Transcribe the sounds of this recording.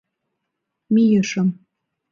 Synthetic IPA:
mijəʃə̆m

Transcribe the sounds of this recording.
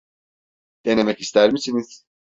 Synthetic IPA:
d̪̥e̞ne̞mɛci̥st̪ʰæɾmisiniz̥

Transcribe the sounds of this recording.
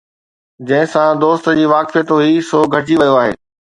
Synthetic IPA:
d͡ʑɐ̃ɦɪ̃sãd̪oːst̪d͡ʑiːʋaːkfijət̪ɦuɦisoːɡʱɐʈiʋɐjoaːɦḛː

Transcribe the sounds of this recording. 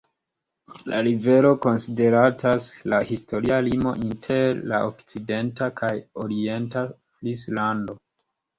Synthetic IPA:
lʔa̰ɾive̞lo̞ko̞nside̞ɾatʰaslahisto̞ɾialimo̞̰ʔintʰe̞ɾla̰ʔokt͡side̞ntakʰajo̞ɾie̞nta | flislando̞

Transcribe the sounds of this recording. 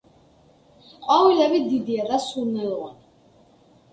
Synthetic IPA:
qʼawilɛbid̪id̪iad̪asunɛlʁɔn

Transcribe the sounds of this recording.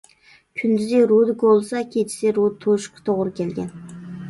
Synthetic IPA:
kʲʰynd̪yzɪɾud̪kolˠsɑkʲʰet͡ʃʰɪ̥sɪɾud̪t̪ʰoʃqʰt̪ʰoʁɾɨkʲʰelɡʲɛn

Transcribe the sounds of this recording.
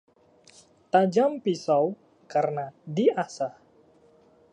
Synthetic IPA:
t̪ad͡ʒampisaw | kaɾənadiasah

